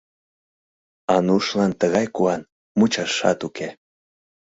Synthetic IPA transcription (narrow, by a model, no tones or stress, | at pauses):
ɑnuʃlɑnt̪əɣɑjkuɑn | mut͡ɕɑʃɑ̰t̪ukʰe